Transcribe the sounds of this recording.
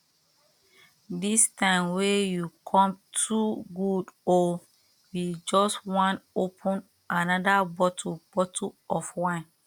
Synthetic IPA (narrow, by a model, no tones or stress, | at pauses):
distʰãɪmwejukʰɔ̃mtʰuɡudo | jid͡ʒɔswãnopʰũn | ʔanadabɔtʰub̥ɔtʰuɔfwãn